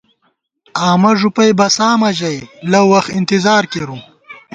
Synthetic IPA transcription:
aːmɐʐupɐjbɐsaːmɐʑɐjlɐwɐxɪnt̪ɪzaːɾkeɾu

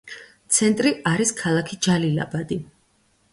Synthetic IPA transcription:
t̪sʰɛnt̪ʼɾiaɾiskʰalˠakʰid͡ʒalila̰bad̪i

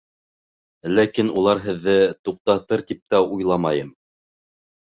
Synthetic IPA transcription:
lækinulˠɑɾɦɘ̆ðːɘt̪uq̚t̪ɑt̪ɤɾt̪ip̚t̪æujlˠɑmɑjɤm

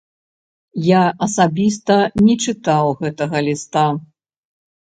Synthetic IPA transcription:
jaʔɐsabʲist̪ɐnʲɛt͡ʂɨt̪awɣɛt̪ɐɣɐlʲist̪a

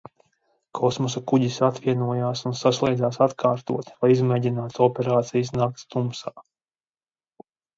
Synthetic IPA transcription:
kʰɔsmɔs̬akuɟisat̪ʋiɛnuɔjaːsunsaslˠɛjd̪zaːsat̪kʰaːɾt̪uɔt̪lˠajizmɛːɟinaːt̪ɔpʲɛɾaːt̪sijasnak̚t̪st̪umsaː

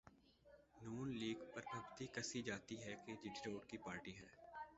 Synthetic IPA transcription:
nuːnliːɡpɐɾbɐbt̪ikɐsid͡ʒaːt̪iɦɛked͡ʒɪɖiɾoːʈkipaːɾʈiɦɛː

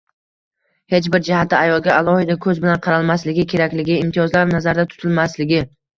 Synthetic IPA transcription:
he̞t͡ʃbɪɾd͡ʒɪhat̪ʰːɪajɒlˠɡʲaalˠɒhɪd̪akʰɵzbɪlanqʰɑɾalˠmaslɪɡʲɪkʲʰe̞ɾakʲlɪɡʲɪːmt̪ʰijɒzlaɾnazaɾd̪at̪ʰʊ̥t̪ʰɪlmaslɪɡʲɪ

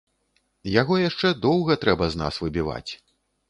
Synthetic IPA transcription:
jaɣɔjaʂt͡ʂɛd̪ɔwɣɐt̪ɾɛbɐzna̰svɨbʲiva̰t͡sʲ

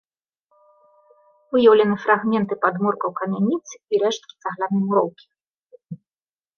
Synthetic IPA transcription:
vɨjɐwlʲɛnɨfɾaɣmʲɛnt̪ɨpad̪mɔrkɐwkɐmʲanʲit̪sɨiɾɛʂt̪̚kʲi̥t̪saɣlʲanɨmuɾɔwkʲi̥

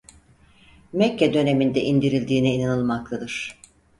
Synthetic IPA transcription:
mɛcːɛd̪ø̞ne̞mind̪ɛʔind̪iɾilʲd̪iːnɛinanɯlˠmak̚lˠad̪ɯɾ̥

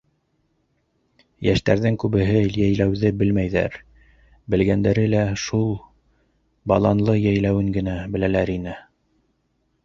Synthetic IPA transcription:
jæ̰ʃt̪æɾðɘŋkʉβɘ̆ɦɘjæjlæwðɘbɘlmæjðæ̰ɾ | bɘ̆lɡænd̪æɾɘlæʃulˠ | bɑlˠɑnlˠɤjæjlæwɘŋɡɘ̆næbɘ̆lælæɾinɘ

